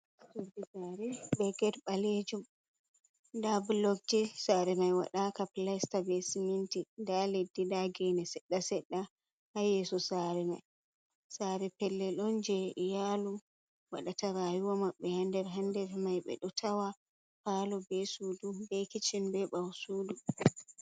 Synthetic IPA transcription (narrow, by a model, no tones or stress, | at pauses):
suɾdid͡ʒaɾɛbɛɡɛɾɓaled͡ʒum | dablɔɡ̚d͡ʒisaɾɛmajwa̰ɗakaplastabɛsimintidaledːidaɡɛnɛsɛɗːasɛɗːa | hajɛsɔsaɾɛma̰j | saɾɛpɛlːɛlɔnd͡ʒɛjalu | wa̰ɗataɾajuwamaɓːɛhandɛɾɦandɛɾmajɓɛ̰ɗɔtʰawa | palɔbɛsuːdubɛkit͡ʃinbɛɓawsuːdu